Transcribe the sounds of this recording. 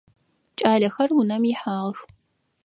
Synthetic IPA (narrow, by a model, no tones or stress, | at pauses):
t͡ʃʼaːɮɐxɐrunɐmjɪħaːʁəx